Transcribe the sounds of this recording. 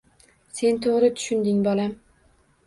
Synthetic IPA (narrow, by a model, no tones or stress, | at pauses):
se̞nt̪ʰoʁɾɪt̪ʰʊ̥ʃʊnd̪ɪŋbɒlam